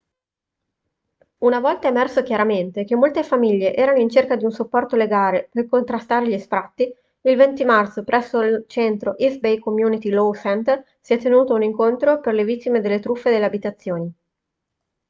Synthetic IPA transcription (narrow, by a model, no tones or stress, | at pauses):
unavɔlt̪aɛemɛrsokjaɾament̪ekemːolt̪efamiʎːeʔɛːɾanoint͡ʃerkad̪iunsopːɔrt̪oleɡaːleperkont̪ɾast̪aːɾeʎiest̪ɾat̪ːi | ilvent̪imart̪sopɾʔɛsːolt͡ʃɛnt̪ɾoʔisbejkomjuːnit̪ilosɛnt̪er | siɛt̪ːenuːt̪ouniŋkont̪ɾoperlevit̪ːimed̪elːet̪ɾufːed̪eleabit̪at̪sːjoːni